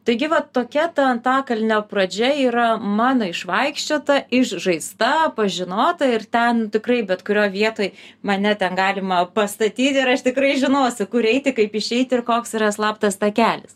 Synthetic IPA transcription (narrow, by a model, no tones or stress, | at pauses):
t̪ɐɪɡʲɪʋɐt̪oːkʲɛt̪ɐɐnt̪ɑːkɐlʲnʲoːprɐd͡ʒʲɛiːɾɐmɑːnɐɪʃʋɐɪkʃʲt͡ʃʲoːt̪ɐɪʃʒɐɪst̪ɐpɐʒʲɪnoːt̪ɐɪrt̪ʲɛntʲɪkrɐɪbʲɛt̪kʊɾʲoːjʋʲiɛt̪oːjmɐnʲɛt̪ʲɛnɡɑːlʲɪmɐpɐst̪ɐt̪ʲiːt̪ʲɪɾɐʃt̪ʲɪkɾɐɪʒʲɪnoːsʲɪkʊɾɛɪt̪ʲɪkɐɪpɪʃʲɛɪt̪ʲɪrkoːksiɾɐslˠɑːpt̪ɐst̪ɐkʲæːlʲɪs